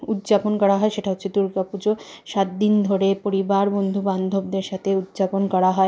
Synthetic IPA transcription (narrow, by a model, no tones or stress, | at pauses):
ud̪d͡ʑaponkɔɽaɦɔeʃeʈaɦotːɕʰed̪uɾkapud͡ʑoʃat̪̚d̪ind̪ʱoɾepoɾibaɾbond̪ʱuband̪ʱob̚d̪eɾʃat̪ʰeud̪d͡ʑaponkɔɽaɦɔe